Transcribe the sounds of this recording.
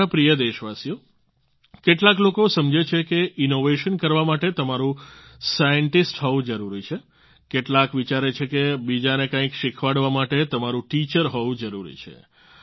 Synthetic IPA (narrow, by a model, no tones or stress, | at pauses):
apɾijəd̪eʃʋasijo | keʈlaklokosəmd͡ʒet͡ʃʰekeʔinoʋeʃənkəɾʋamaʈet̪əmaɾũsajəɳʈisʈɦɔʋũd͡ʒəɾuɾit͡ʃʰe | keʈlakʋit͡ʃaɾet͡ʃʰekebid͡ʒanekãikʃikʰʋaɽʋamaʈet̪əmaɾũʈit͡ʃəɾɦɔʋũd͡ʒəɾuɾḭt͡ʃʰḛ